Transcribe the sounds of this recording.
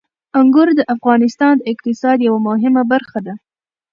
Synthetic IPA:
ʊŋɡʊɾd̪əʔafɣɑnɪst̪ɑnd̪əɪqt̪ɪsɑd̪jawamʊɦɪmabaɾxad̪a

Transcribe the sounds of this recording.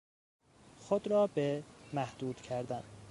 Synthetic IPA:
xod̪ɾɒːbemæhd̪̥uːd̪̥cʰæɾd̪æn

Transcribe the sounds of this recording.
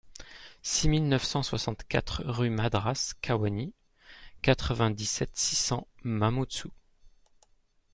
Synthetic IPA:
similnœfsɑ̃swasɑ̃t̪kʲa̰t̪χʁymad̪ʁaskʰawani | kat̪χəvɛ̃d̪isɛt̪sisɑ̃mamut̪su

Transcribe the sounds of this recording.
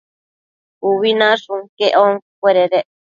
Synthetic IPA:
uβinãʂũŋkeʔoŋkweɾeɾe

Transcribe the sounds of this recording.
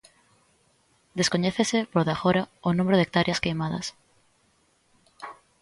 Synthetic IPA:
d̪eskoɲɛθesɪpɾoðaxoɾaonũmeɾʊðek̚t̪aɾʔjɐskejmaðɐ̰s

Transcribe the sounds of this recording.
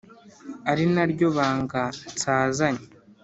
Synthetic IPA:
aɾinaɾɟo̞βaːŋɡat͡saːzaɲa

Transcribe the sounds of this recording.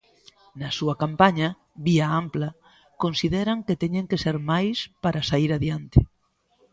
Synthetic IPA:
nɐsuɐkampaɲɐ | βiaamplɐ | konsiðɛɾaŋket̪eɲẽŋkeseɾmajspaɾasaiɾaðjant̪e

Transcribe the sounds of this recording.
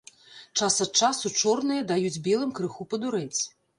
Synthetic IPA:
t͡ʂasɐt̪̚t͡ʂasut͡ʂɔrnɨjɐd̪ajud͡zʲbʲɛlˠɨmkɾɨxupɐd̪uɾɛt͡sʲ

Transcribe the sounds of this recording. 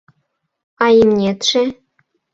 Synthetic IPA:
ɑjimnʲet̪ʂĕ

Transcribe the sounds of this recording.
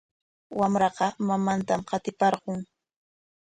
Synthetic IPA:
wamɾɑqɑmamant̪amqɑt̪ɪpɑɾɢʊŋ

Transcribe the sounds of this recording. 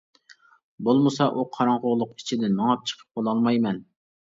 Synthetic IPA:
bolˠmɨsɑʔuqʰɑɾɑŋʁʊʁlˠʊqi̥t͡ʃʰɪd̪ɪnmɑŋɑp̚t͡ʃʰə̥qʰə̥p̚qolˠɑlˠmɑjmɛn

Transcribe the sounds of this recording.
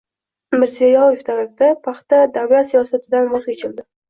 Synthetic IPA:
mɪɾsijajɒjɪft̪ʰaɾafd̪apʰaχt̪ad̪avlat̪sijɒsat̪ʰɪd̪anvɒskʲɪt͡ʃʰɪld̪ɪ

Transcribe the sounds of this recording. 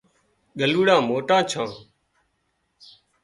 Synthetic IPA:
ɠəluːɽãːmoːʈãːt͡ʃʰãː

